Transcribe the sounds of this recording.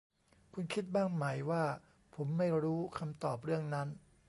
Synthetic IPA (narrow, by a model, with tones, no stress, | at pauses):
kʰu˧nkʰi˦˥t̪̚baː˥˩ŋma˩˦jwaː˥˩ | pʰo˩˦mːa˥˩jɾuː˦˥kʰa˧mt̪ɔː˨˩p̚ɾɯ˥˩əŋna˦˥n